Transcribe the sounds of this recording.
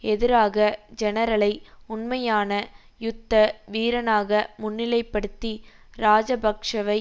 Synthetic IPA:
ɛðɪɾaːɣɐd͡ʒɛnɐɾɐɭɐɪʊɳmɐjaːnɐ | jʊt̪ːɐʋiːɾɐnaːɣɐmʊnːɪlɐɪpːɐɽɯt̪ːi | ɾaːd͡ʒɐbʱɐkʂɐʋɐɪ

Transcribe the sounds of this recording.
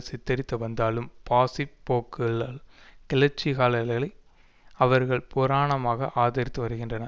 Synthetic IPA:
sɪt̪ːɐɾɪt̪ːɐʋɐnd̪aːlɯmpaːsipːoːkːɯɭaːlkɪlɐɾt͡ʃːiɣaːlɐlɣɐlɐɪ | ɐʋɐɾɣɐɭpʊɾaːɳɐmaːɣɐʔaːðɐɾɪt̪ːɯʋɐɾɯɣɪndrɐnɐ

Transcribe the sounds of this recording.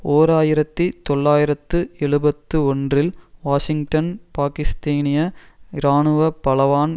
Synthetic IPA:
oːɾaːjɪɾɐt̪ːit̪ɔɭːaːjɪɾɐt̪ːɯɛɭɯbɐt̪ːɯɔndrɪlʋaːʂɪŋʈɐnpaːkɪst̪aːnɪjɐɪɾaːnɯʋɐpɐlɐʋaːn

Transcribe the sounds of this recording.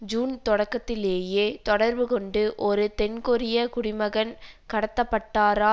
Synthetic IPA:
d͡ʒuːnt̪ɔɽɐkːɐt̪ːɪleːjeːt̪ɔɽɐɾʋɯkɔɳɖɯʔɔɾɯt̪ɛnkɔɾɪjɐkʊɽɪmɐɣɐnkɐɽɐt̪ːɐpːɐʈːaːɾaː

